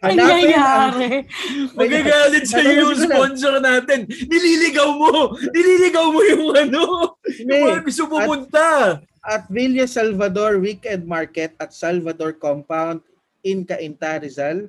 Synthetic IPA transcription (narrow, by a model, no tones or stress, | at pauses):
ʔɐlaːaɪaaɾɛmɐɡɐɡaːlɪt̪̚sɐjojʊŋspons̬oɾnaːt̪ɛnːɪlilɪɡɐwmonɪliːlɪɡɐwmojʊŋɐnoʊɐɐbɪsʊpupʊnt̪ɐ | ʔɐt̪̚viljɐsalvɐd̪oɹwikɛnd̪̚maɹkɛt̪̚ɐt̪̚salvɐd̪oɹkompawnd̪̚ | ʔɪnkɐʔɪnt̪aɾɪzal